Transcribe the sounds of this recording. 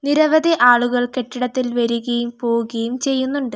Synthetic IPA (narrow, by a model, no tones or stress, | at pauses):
niɾɐʋɐd̪ʱiʔaːɭuɣɐɭke̞ʈːiɽɐt̪ːilʋɐɾuɣɐjumpo̞ːuɣɐjumt͡ɕe̞jːunːuɳɖɨ